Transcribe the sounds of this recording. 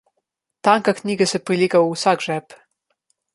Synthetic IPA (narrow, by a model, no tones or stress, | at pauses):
t̪aŋkaknʲiːɡasɛpɾiliːkausakʒɛːp